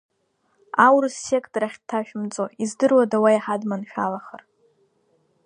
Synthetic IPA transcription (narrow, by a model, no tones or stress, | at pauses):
awrɨsːe̞kʰʼtʼraχʲd̚tʰaʃᶣmt͡sʼoizdɨrwadawajħadmanʃᶣalaχər